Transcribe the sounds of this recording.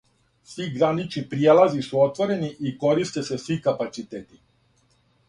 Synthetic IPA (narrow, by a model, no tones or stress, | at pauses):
sʋiɡɾanit͡ʃnipɾielazisuot̪ʋoɾeniʔiko̞ɾist̪esesʋikapat̪sit̪eːt̪i